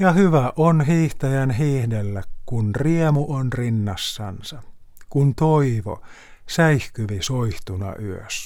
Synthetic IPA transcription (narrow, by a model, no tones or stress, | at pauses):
jɑhyʋæʔonɦiːht̪ɑjænɦiːhdelːækkunriemuʔonrinːɑsːɑ̰nsɑ | kunt̪oiʋo̰ | sæihkyʋisoiht̪unɑ̰ʔyø̰s